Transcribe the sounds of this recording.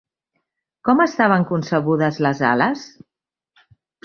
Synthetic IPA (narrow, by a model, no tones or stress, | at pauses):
kɔməst̪aβ̞əŋkunsəɣ̞uðəzləza̰ləs